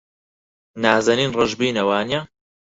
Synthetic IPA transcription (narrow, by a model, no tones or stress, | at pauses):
naːzɐniːnrɨʒbiːnɐwaːnija